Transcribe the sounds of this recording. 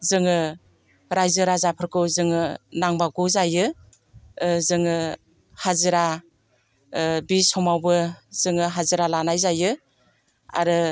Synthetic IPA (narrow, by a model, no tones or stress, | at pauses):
zɯŋɯ | ɾajzɯɾazapʰɯɾkʰɯwzɯŋɯnaŋbaɡɯzajɯ | zɯŋɯ | hazɯɾa | bisɔmawbɯz̥ɯŋɯɦazɯɾalanajzajɯ | a̰ɾɯ